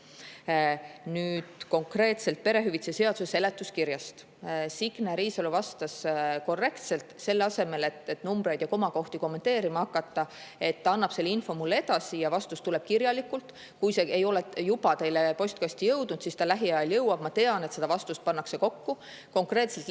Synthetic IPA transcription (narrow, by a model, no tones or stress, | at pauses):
nyːd̪̥ko̞ŋkre̞ːt̪se̞lt̪̚pe̞ɾe̞ɦyvit̪sese̞ɑd̪̥suse̞le̞t̪ːˑuskiɾjɑst̪ | siɡ̥næɾiːsoluvɑst̪ɑsko̞rːe̞kt̪se̞lt̪ˑse̞lːeɑse̞me̞le̞t̪ːet̪ːnumbɾe̞jd̪̥jɑko̞mɑko̞ht̪iko̞mːe̞nt̪e̞ːɾimɑhɑkːˑɑt̪ːˑɑe̞t̪ːɑɑnːɑb̥se̞lːinfo̞mulːe̞d̪̥ɑsijɑvɑst̪ust̪ule̞b̥̚kirjɑlikːˑult̪ˑ | kujseejo̞lejub̥ɑt̪e̞jlepo̞sʲt̪kɑsʲt̪ijɤwd̪̥nud̪̥sist̪ɑlæɦiɑjɑljɤwɑb̥mɑt̪e̞ɑnet̪se̞d̪̥ɑvɑst̪ust̪̚pɑnːɑkse̞ko̞kːu | ko̞ŋkre̞ːt̪selt̪